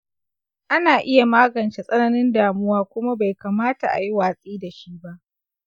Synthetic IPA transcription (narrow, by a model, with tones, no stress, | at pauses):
ʔa˦naː˨ʔɪ˦ja˨maː˦ɡɐ˨nt͡ʃe˨sʼɐ˦nɐ˦nɪ˦ndaː˨mʊ˦waː˦kʷʊ˦ma˦ba˨jkaː˨maː˦ta˨ʔa̰˨ji˦waː˨sʼiː˦da˨ʃi˦ba˦ʔ